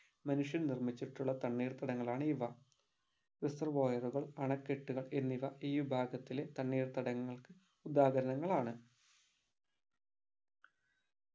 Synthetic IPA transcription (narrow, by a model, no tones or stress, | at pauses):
mɐnuʂjɐnnirmit͡ɕːiʈːuɭːɐt̪ɐɳːiːrt̪ɐɽɐŋːɐɭaːɳɨiʋɐ | risɐrʋoːjɐruɣɐɭɐɳɐkːeʈːuɣɐɭe̞nːiʋɐiːʋibʱaːɡɐt̪ːile̞t̪ɐɳːiːrt̪ɐɽɐŋːɐɭkɨ | ud̪aːɣɐɾɐnɐŋːɐɭaːɳɨ